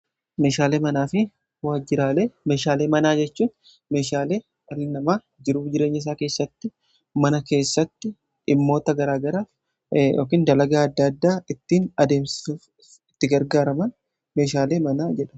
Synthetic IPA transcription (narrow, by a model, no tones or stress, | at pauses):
me̞ːʃaːleːmɐnaːfɪ | waːd͡ʒɪɾaːle̞ːme̞ːʃaːleːmɐnaːd͡ʒɛt͡ʃːuːn | me̞ːʃaːle̞ː | ɐlɪnɐmaː | d͡ʒɪɾuːfd͡ʒɪɾe̞ːɲːɐɪs̬aːke̞ːsːɐt̪ːɪ | mɐnɐke̞ːsːɐt̪ːɪː | mːo̞ːt̪ɐɡɐɾaːɡɐɾaː | jo̰ːkiːnd̪ɐlɐɡaːɐd̪ːɐːd̪ːaːɪt̪ːiːnɐd̪e̞ːmsɪsuːf | ɪt̪ːɪɡɐɾɡaːɾɐmɐn | me̞ːʃaːle̞ːmɐnaːd͡ʒɛᶑɐ